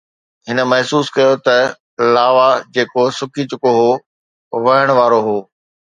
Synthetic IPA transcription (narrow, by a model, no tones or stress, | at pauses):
ɦɪnə̆mɐɦsuːskɐjot̪ɐ | laːʋad͡ʑeːkosʊkit͡ɕʊkoɦoː | ʋɐɦəɽ̃ʋaːɾoɦoː